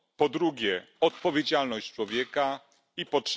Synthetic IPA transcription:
pɔd̪ɾuɡʲɛ | ɔt̪̚pɔvʲjed͡ʑalnɔɕt͡ɕt͡ʂwɔvʲjɛka | ipɔtʂ

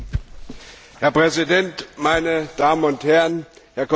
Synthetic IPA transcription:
hɛɐpʁ̥ɛzidɛntmaɪnəd̥aːmən̩ʊnthɛɐʁənhɛɐkʰ

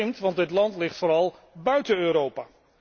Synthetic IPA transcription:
ɪmtʋɑndɪtlɑntlɪχtfoːɾɑlˠ | bœɥtənøːɾowpaː

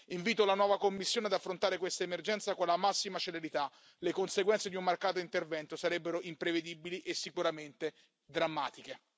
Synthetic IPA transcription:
iɱviːt̪olanwɔːvakomːisːjoːnead̪afːɾont̪aːɾekwest̪aemerd͡ʒɛnt̪sakonlamasːimat͡ʃeleɾit̪a | lekonseɡwɛnt̪sed̪iumːarkaːt̪̬oint̪ervɛnt̪osaɾɛbːeɾoʔimpɾeved̪ibiliʔesːikuɾament̪e | d̪ɾamːaːt̪ike

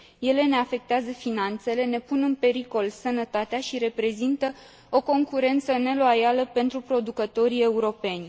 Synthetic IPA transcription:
je̞le̞ne̞afe̞k̚t̪eazəfinant̪se̞le̞ne̞punɨnpe̞ɾiko̞lsənət̪at̪eaʃiɾe̞pɾe̞zint̪ə | oko̞ŋkuɾe̞nt̪səne̞loajaləpe̞nt̪ɾupɾo̞d̪ukət̪o̞ɾie̞uɾo̞pe̞nʲ

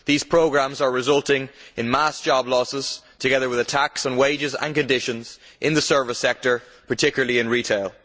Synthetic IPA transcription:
ðiz̥pʰɹ̥oʊɡɹãmzə˞ɹɪzʌlˠtɪ̃ŋɪ̃nmasd̥ʒ̥ɑblɔsɪz̥tʰəɡɛðə˞wɪðətʰaksn̩weɪd͡ʒɪzə̰̃nkɨ̃ndɪʃə̃nz̥ʔɪ̃nðəsɜ˞vəsɛk̚tə˞ | pʰə˞tʰɪkjl̩ˠəliɪ̃nɹitʰeɪlˠ

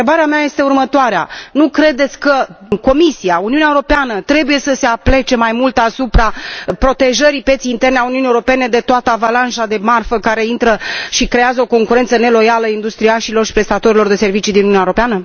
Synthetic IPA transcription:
ebaɾeamaje̞st̪e̞urmət̪oaɾea̰nukɾe̞d̪e̞t̪sʲkəko̞misiauniunʲaeuɾopeanət̪ɾe̞buje̞səse̞aple̞t͡ʃe̞majmult̪asupɾapɾo̞t̪e̞ʒəɾipje̞t̪siːnt̪e̞rneauniunijeuɾope̞ne̞d̪e̞t̪oat̪əavalanʃad̪e̞marfəkaɾe̞int̪ɾəʃikɾe̞azəo̞ko̞ŋkuɾe̞nt̪səne̞lo̞jaləaind̪ust̪ɾiaʃilo̞rʃi̥pɾe̞st̪at̪o̞ɾilo̞rd̪e̞se̞rvit͡ʃid̪inununaeoɾopeanə

